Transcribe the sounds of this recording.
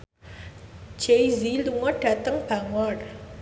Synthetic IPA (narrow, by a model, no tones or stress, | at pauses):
d͡ʒejziluŋɔɖ̥a̤t̪əŋb̥aŋɔr